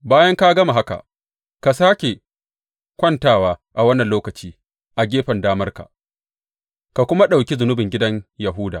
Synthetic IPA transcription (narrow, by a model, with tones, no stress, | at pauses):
baː˦jɐ˦ŋka˦ɡɐ˦ma˨ɦa˦ka̰˨ʔ | ka˨saː˦kʲe˨ | kʷɐ˦ntaː˦waː˦ʔa˨wɐ˦nːɐ˨nloː˦kɐ˨t͡ʃiː˦ | ʔa˨ɡʲeː˦ɸɐ˨ndaː˦mɐ˦rka̰˨ | ka˨kʷʊ˦ma˦ɗa˨wkʲe˦zʊ˨nʊ˦bɪ˨ŋɡʲɪ˦dɐ˦ɲjɐ˨ɦʊː˦da̰ː˨